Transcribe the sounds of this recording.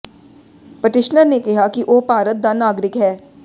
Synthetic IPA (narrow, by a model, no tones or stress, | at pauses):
pɐʈɪʃnəɾnekɛɦakiʔoːpaːɾət̪̚d̪anaːɡɾɪkɦɛː